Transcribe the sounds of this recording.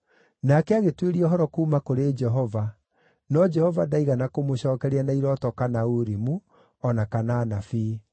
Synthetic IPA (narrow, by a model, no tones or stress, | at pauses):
nakɛaɣetweɾiɔɦɔɾɔkuːmakoɾed͡ʒɛɦɔva | nɔd͡ʒɛhɔvadaiɣanakomoɕɔːkɛɾeanaiɾɔtɔkanauɾimu | ɔnakanaːnafiː